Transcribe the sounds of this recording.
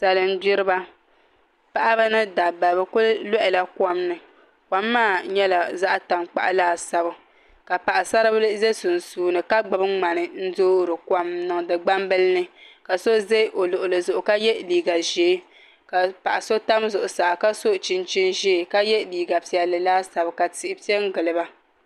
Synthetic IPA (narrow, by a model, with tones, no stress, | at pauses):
sa˨lɨ˨n˦bi˦ɾɨ˦ba˦ | pa˦ʔa˦ba˦nɨ˦da˨ba˨bɨ˦kʊ˦llɔ˦ʔɪ˨la˦ka˦mnɨ˨ | kʷa˨mːaː˦˨ɲɛ˦la˨za˦ʔta˨mk͡pa̰˨ʔa̰˨laː˦˨sa˨bɨ˦ | ka˨pa˨ʔa˨sa˦ɾɨ˦blze˦sʊ˨n˨suː˦nɨ˨ka˦ɡ͡ba˨bɨ˦ŋ͡ma˨nɨ˨n̩˦doː˦ɾɨ˨ka˦mnɨ˨ŋdɨ˨ɡ͡ba˦mbɨ˦lnɨ˦ka˨so˦ze˦ʔo˨lʊ˨ʔʊ˨lɨ˨zʊ˨ʔʊ˨ka˦jɛ˦liː˨ɡa˨ʒeː˨˦ | ka˨pa˨ʔa˨so˦ta˦mzʊ˨ʔʊ˨sa˨ka˦so˦˨t͡ʃi˦nt͡ʃi˦nʒeː˦˨ka˦jɛ˦liː˨ɡa˨pi˦ɛ˨lɨ˨laː˦sa˨bɨ˨ka˨ti˨ʔɪ˨pi˦ɛ˦ŋ˦ɡɨ˨lɨ˨ba˦